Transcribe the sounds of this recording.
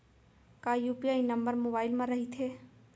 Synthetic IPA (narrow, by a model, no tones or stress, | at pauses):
kaːjuːpijaːinɐ̃mbəɾmoːbaːɪlmãɾɐɦit̪ʰeː